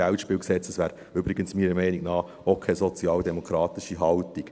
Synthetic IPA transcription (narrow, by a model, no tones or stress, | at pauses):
æltʃpɪːlksɛt͡səsʋæːɾ | ʏbɾɪɡənsmiːɾəmɛɪniknɑː | okʰːɛzɔt͡sjɑːld̪ɛmokʰɾɑːt̪ɪʃiɦɑltik